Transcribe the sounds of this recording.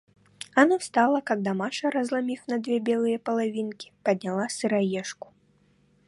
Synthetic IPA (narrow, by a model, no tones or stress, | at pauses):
anɔst̪alˠɐkaɡ̚d̪amaʂɐɾɐzlˠamʲifnɐd̪vʲɛbʲɛlˠɨjɐpɐlˠavʲinkʲi̥pɐd̪ʲnʲalˠasɨɾajɛʂku̥